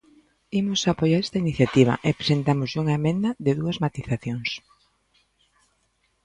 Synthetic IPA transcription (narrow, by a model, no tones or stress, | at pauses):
imʊsapojaɾest̪ɐiniθjat̪iβ̞ɐ̰ʔepɾesent̪amʊzʎuŋɐemẽnd̪ɐðɪðuɐzmat̪iθaθjoŋs